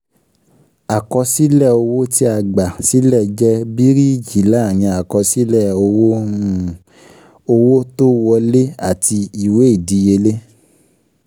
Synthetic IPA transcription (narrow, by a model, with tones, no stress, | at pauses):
a˨kɔ˧si˦lɛ˦˨o˧wo˦ti˦a˧ɡ͡ba˨si˨˦lɛ˦˨d͡ʒɛ˦bi˦ɾi˦˨d͡ʒi˨˦la˦˨j̃ĩ˧a˨kɔ˧si˦lɛ˦˨o˧wo˦ũ˨ | o˧wo˦to˦wɔ˧le˦a˦˨ti˧i˨we˨˦i˦˨di˨˦je˧le˦